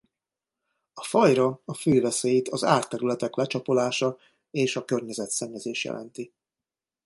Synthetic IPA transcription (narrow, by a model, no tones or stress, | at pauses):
ɒfɒjrɒɒføːvɛseːjit̪ɒzaːrt̪ɛɾylɛt̪ɛklɛt͡ʃɒpo̞laːʃɒ | eːʃɒkørɲɛzɛt̪sɛɲːɛzeːʃjɛ̰lʔɛ̰nt̪i